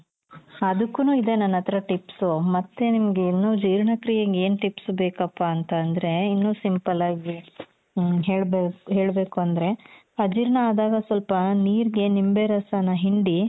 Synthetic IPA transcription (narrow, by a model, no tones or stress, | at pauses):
ɐd̪ukːunuːid̪e̞nːɐnːɐt̪ɐɾɐʈipsumɐt̪ːenimɐɡeinːuːd͡ʒiːɾɳɐkɾijɐɡeːnʈipsbeːkɐpːaːnt̪ɐːnd̪ɐɾe̞inːuːsimpɐlaːɡi | ɦeːɭbeːɦe̞ːɭbe̞ːkuɐnd̪ɐɾe̞ | ɐd͡ʒiɾɳɐaːd̪aːɡɐsʋɐlpɐniːɾiɡe̞nimbeɾɐsaːnɐɦiɳɖi